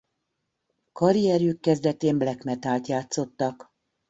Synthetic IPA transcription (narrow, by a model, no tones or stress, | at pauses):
kɒɾijɛɾjykːɛzd̪ɛt̪eːmblɛkmɛt̪aːlt̪jaːt̪so̞t̪ːɒk